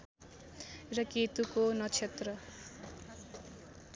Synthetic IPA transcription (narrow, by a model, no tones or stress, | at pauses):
rʌket̪ukonʌt͡sʰet̪rʌ